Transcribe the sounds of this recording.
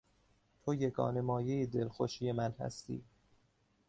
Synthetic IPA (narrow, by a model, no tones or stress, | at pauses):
t̪ʰojeɡɒ̰ːne̞mɒːjejid̪e̞lxoʃijemænhæ̰st̪ḭː